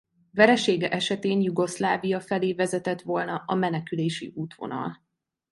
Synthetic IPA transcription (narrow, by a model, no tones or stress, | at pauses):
vɛɾɛʃeːɡɛʔɛʃɛt̪eːnjuɡo̞slaːvijɒfɛleːvɛzɛt̪ɛt̪ʋo̞lnɒɒmɛnɛkyleːʃḭʔuːt̪ʋo̞̰nɒ̰l